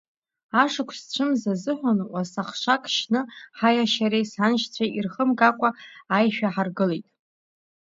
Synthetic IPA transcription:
aʂɨkʷʰst͡ɕʷʰɨmzazɨħʷᶣanʔʷasaχʂʷʰakʼʃnɨħajaʃaɾejsanʃt͡sʷʰairχəmɡakʷʼaːjʃᶣaħarɡɨlejtʼ

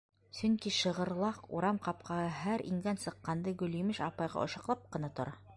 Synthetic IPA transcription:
sɵŋkiʃɤ̆ʁɤ̆ɾlˠɑqṵɾɑmqɑp̚qʰɑhɤɦæɾʔḭŋɡænsɤ̆qːɑnd̪ɤɡɵ̆limɘʃɑpɑjʁɑ̰ʔŏʃɑqlˠɑp̚qɤ̆nɑt̪ŏɾʔɑ

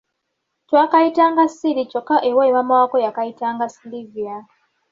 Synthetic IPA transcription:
twakaitaŋɡasiɾit͡ʃɔkaʔewɔimamawakojakaitaŋɡasilivia

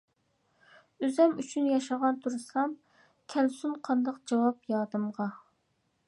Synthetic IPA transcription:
øzɛmyt͡ʃʰynjɑʃɑʁɑnt̪ʰuɾɨsɑm | kʲʰɛlsunqʰɑnd̪ɑqd͡ʒɑwɑpjɑːd̪ɨmʁɑ

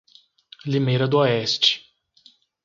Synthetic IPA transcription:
limejɾɐd̪ʊɔɛst͡ʃɪ̥

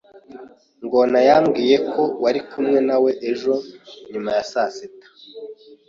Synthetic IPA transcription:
ŋɡonajaːmɡiːje̞kʰo̞waɾikʰumŋe̞nawe̞ʔeʒo̞ɲumajasasetḁ

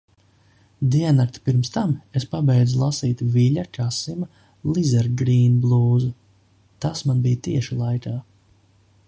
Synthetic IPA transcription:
d̪iɛnakt̪i̥piɾmst̪amespabɛjd̪zulˠasiːt̪viʎakasima | lˠizɛɾɡɾiːnblˠuːzu | t̪asmanbijt̪iɛʃilˠajkaː

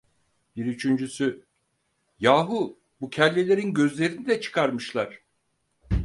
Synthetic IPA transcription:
b̥iɾyt͡ʃʰynd͡ʒysy | jaːɦu | bucʰɛlʲːelʲe̞ɾinɟø̞zlʲe̞ɾinid̪ɛt͡ʃʰɯ̥kʰaɾmɯʃlˠaɾ̥

